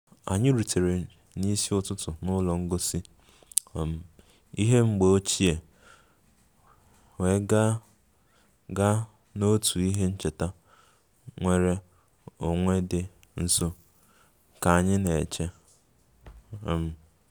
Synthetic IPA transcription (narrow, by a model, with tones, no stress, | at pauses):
a̰˨ɲɪ˦ɾu˨tʰe˨ɾe˨ | ni˦si˦ʊ˦tʊ˦tʊ˨nʊ˦lɔ˨ŋ̩˦ɡo˦si˦˨ | m̩˨ | i˦ɦe˦ŋ͡m̩˦ɡ͡be˨o˦t͡ʃi˦e˨ | we˨˦ɡ | ɡa˦ | no˦tʰu˨i˦ɦe˦n̩˦t͡ʃe˨ta˦ | ŋʷe˦ɾe˦ | o˨ŋʷe˦dɪ˦ | n̩˦so˦ | ka˨a˨ɲɪ˦ne˨t͡ʃe˦˨ | m̩˨